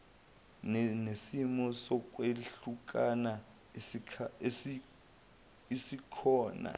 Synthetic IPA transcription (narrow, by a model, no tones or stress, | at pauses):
nesimɔsɔk̬ʼweɬuk̬ʼana | esi | isikʰɔːna̰